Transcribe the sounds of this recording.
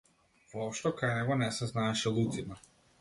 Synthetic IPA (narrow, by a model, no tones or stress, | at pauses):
vɔɔpʃt̪ɔkajnɛɡɔnɛsɛznaɛʃɛlˠut̪sima